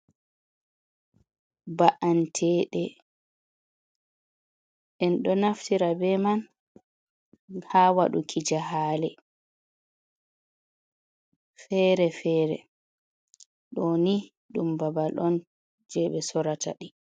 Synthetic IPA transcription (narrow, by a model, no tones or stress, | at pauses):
baʔantʰɛːɗɛ | ʔɛnɗɔnaftiɾabɛman | hawaɗukʰid͡ʒaɦaːlɛ | fɛːɾɛfɛːɾɛ̰ | ɗoni | ɗumbabalʔɔn | d͡ʒɛɓɛsɔɾatʰa̰ɗi